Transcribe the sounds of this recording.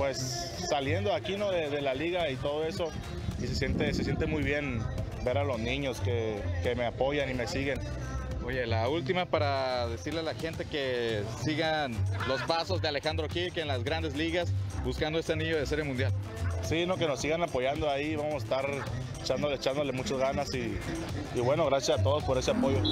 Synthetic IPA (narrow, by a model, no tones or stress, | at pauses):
pwe̞sː | alje̞nd̪oakino̞ðe̞ðe̞laliɣait̪o̞ð̞oe̞so̞ | isesje̞nt̪eses̬je̞nt̪̬emujβje̞n | be̞ɾalo̞zniɲo̞skeke̞meapo̞ʝanime̞siɣe̞n | ojelault̪imapaɾaðe̞siɾlealaxe̞nt̪e̞ke̞siɣanlo̞spaso̞zðe̞ale̞xand̪ɾokikenlazɣɾand̪ezliɣasbuskand̪oe̞seaniʝo̞ðeseɾjemund̪jal | sino̞ke̞nosiɣanapo̞ʝand̪oaiβamosest̪aɾ | et͡ʃand̪olet͡ʃand̪olemut͡ʃazɣanasiː | βwe̞no̞ɣɾasjasat̪o̞ðo̞spo̞ɾe̞seapo̞ʝo̞